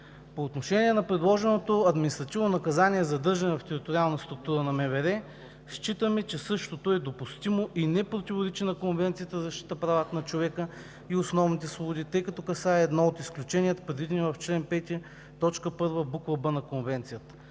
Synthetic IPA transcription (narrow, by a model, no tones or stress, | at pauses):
poːt̪noʃɛnʲiɛnɐpɾɛd̪lˠɔʒɛnot̪oɐd̪minist̪ɾɐt̪ivnonɐkɐzanʲiɛzɐd̪ɤɾʒɐnɛvɐft̪ɛɾit̪oɾialˠnəst̪ɾʊk̚t̪uɾənɐmɛvɛɾɛ | sʃt͡ʃit̪əmɛt͡ʃɛsɤʃt̪ot̪oɛd̪opust̪imoʔinɛpɾot̪ʲivoɾɛt͡ʃinɐkonvɛnt̪sijət̪əzɐʃt̪it̪əpɾavat̪ənɐt͡ʃovɛkə | iosnɔvnit̪ɛsvˠobʊd̪it̪ɤjkɐt̪ɔkɐsaɛːd̪nɔot̪isklʲut͡ʃɛnʲijət̪ə̥pɾɛd̪vid̪ɛnivɐft͡ʃlɛnpɛt̪iə | t̪ɔt͡ʃkəpɤɾvəbukvɐbənɐkonvɛnt̪sijət̪ə̥